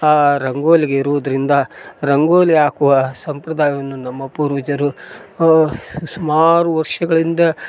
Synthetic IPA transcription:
aːɾɐŋɡoːliɡeiɾuʋud̪ɐɾind̪ɐɾɐŋɡoːliaːkuʋɐsɐmpɾɐd̪aːjʋɐnːunɐmːɐpuɾuːd͡ʒɐɾu | sumaːɾuʋɐɾʂɐɡɐɭind̪ɐ

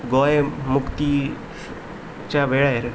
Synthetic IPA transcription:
ɡoːemʊkt̪i | t͡ʃaʋeɭaeɾ

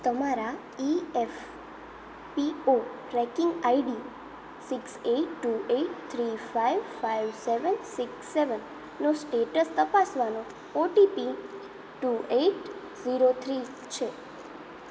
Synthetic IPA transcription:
t̪əmaɾa | iɛf | pioʈɾɛkɪ̃ŋɡaiɖi | sikseʈːuʔeʈt̪ʰɾifaiʋfajʋseʋənsikseʋənː | osʈeʈəst̪əpasʋano | oʈipi | ʈueʈ | ziɾot̪ʰɾi | t͡ʃʰe

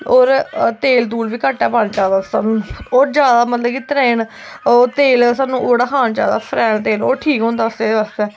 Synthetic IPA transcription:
oːɾt̪eːlt̪̬uːlʋiːkəːʈːɛːpaːnt͡ʃaːd̪assa̰ːnũːoːɾd͡ʒjaːd̪aːmət̪ləbkit̪ɾeːnot̪eːls̬aːnũːʔoːɽaːkʰaːnd͡ʒa̰ːd̪a̰ːpʰɾɛːnt̪eːloːʈʰiːkɦõːnd̪aːəst̪eːd̪eːʋaːst̪ɛː

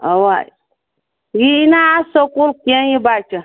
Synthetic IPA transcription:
awa | jinaːsokulkenjibat͡ʃə

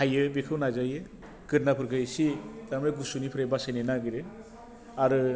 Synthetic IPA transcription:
hajɯbekʰɯwnazajɯ | kɯɾ̚napʰɯɾɡʰɯsit̪amɾaɡusunipʰɾajbasajnenaɡiɾɯ | aɾɯ

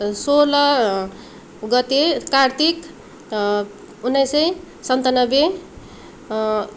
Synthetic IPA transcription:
solʌ | ɡʌt̪ekart̪ʰik | unːʌjsʌj | sʌnt̪anʌbe

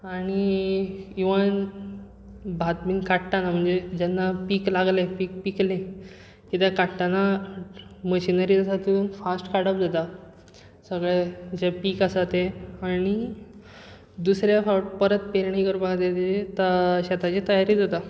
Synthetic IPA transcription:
aɽ̃i | iʋən | bʱat̪miːnkaʈʈ̪anam̤əɳd͡zed͡ʑanːapiːklaɡlepiːk̚piklẽ | kit̪jakaʈʈana | məɕinəɾid͡zasat̪uɾuːnfasʈkaɽəp̚d͡zat̪a | səɡɭed͡ʑepiːkasat̪eaɽ̃i | d̪usɾjafaʈpəɾət̪peɾɳikəɾbakat̪et̪et̪aɕat̪at͡ɕit̪əjaɾiːd͡zat̪a

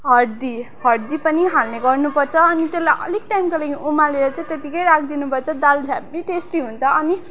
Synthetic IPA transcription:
ɦʌrd̪i | ɦʌrd̪ipʌniɦalneɡʌrnupʌrt͡sʰʌːnit̪elːajʔʌ̰lik̚ʈajmkalaiʔumaleɾʌt͡sãĩt̪et̪ikʌjɾak̚ʰd̪inupʌrt͡sʰʌd̪albʱjabiʈesʈiɦunt͡sʰʌʌni

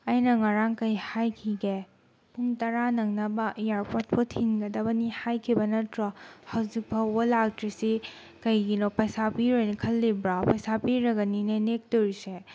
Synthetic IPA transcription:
ɐjnɐŋaɾaŋkɐjhajkʰiɡe | pʰuŋtɐɾanɐŋnɐbɐʔijaɾpot̚pʰotʰinɡɐdɐbɐnihajkʰibɐnɐtɾɐhɐwzik̚bɐwolak̚tɾisi | kɐjɡinopɐjsapiɾojnikʰɐlːibɾapɐjsapiɾɐɡɐninenek̚toɾise

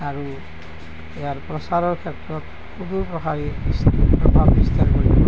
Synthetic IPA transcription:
aɾu | ejaɾpɾɔsaɾɔɹkʰetːɾɔt̪ | kud̪ʱupɾɔkaɾibispɾɔbʱabbist̪aɾkɔɾiɔ

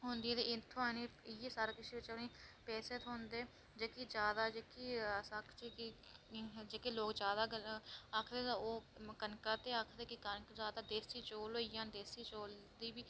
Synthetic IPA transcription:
ɦõnd̪iːɛːt̪eːɪnt̪ʰõːaːniɪjeːsaːɾːkɪsiːʋɪt͡ʃəpniːpɛːseːt̪ɦõːnd̪eː | d͡ʒeːkiːd͡ʒjaːd̪aːd͡ʒeːkisəkʰt͡ʃeːki | d͡ʒeːkeːloːkd͡ʒaːd̪aːakʰd̪eːoːkənkaːt̪eːakʰd̪eːkɪkənkd͡ʒaːd̪aːd̪eːsiːt͡ʃoːloijãːnd̪eːsiːt͡ʃoːld̪iːbiː

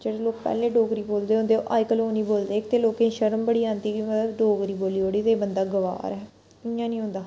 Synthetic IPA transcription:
d͡ʒeːɽeloːk̚pɛ̰ːlẽːɖoːɡɾiːboːld̪eːɦõnd̪eːoʔaːjkəloːniːboːld̪eːkt̪eːloːkẽʃəɾəmbəɽiːãːnd̪iːkimət̪ləbɖoːɡɾiːboːliːɦoːɽiːt̪eːbənd̪aːɡəʋa̰ːɾɛː | ɪãːnĩːɦʊ̃ːnd̪aː

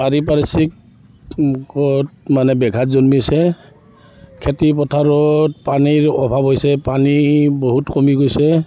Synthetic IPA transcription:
aɹipaɹisik̚ | kɔtmanɛbɛɡʱatzonmisɛ | kʰetipɔtʰaɹɔt̚paniɹɔbʱabojsɛpaniboɦutkomiɡojsɛ

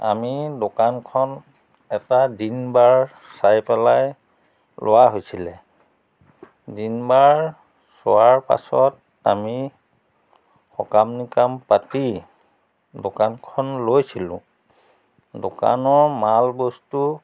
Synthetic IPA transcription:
a̰midokankʰɔn | ɛtadinbaɹ | sajpɛlaj | lʔowaɦojsilɛ | dinbaɹ | sowaɹpa̰sɔt̚ | a̰mi | xɔkamnikampati | dokankʰɔnlojsilʊ̰̃ | doka̰nɔɹmalbostu

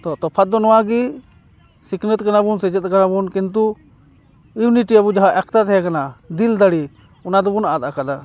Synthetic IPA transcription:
t̪ɔt̪ɔpʰɐt̪̚d̪ɔnɔaɡi | sɪkʰnət̪kɐnabunsɛd͡ʒət̪̚kanabunkint̪̬u | iwniʈiɐbud͡ʒaɦaʔɛkʰt̪at̪ʰɛɦɛkɐnad̪ild̪aɽi | ʊnad̪ɔbunad̪akad̪a

